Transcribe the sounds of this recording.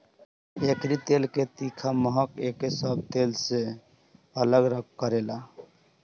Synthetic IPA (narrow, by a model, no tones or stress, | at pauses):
ekʰɾit̪elket̪ikʰaməɦəkekesəbʱt̪else | ələɡɾəɡ̚kəɾela